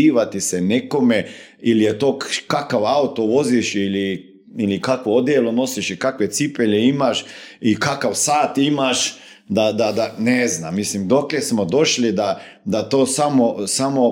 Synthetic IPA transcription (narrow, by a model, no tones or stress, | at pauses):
iːʋat̪iseneko̞me | ilijet̪o̞ːkakaʋaut̪oʋo̞ziʃili | ilikakʋood̪jelono̞siʃikakʋe̞t̪sipeʎeimaʃikakaʋsaːt̪imaʃ | d̪ad̪ad̪anezna̰mːislimd̪o̞klesmod̪o̞ʃlid̪a | d̪at̪oːsamosamo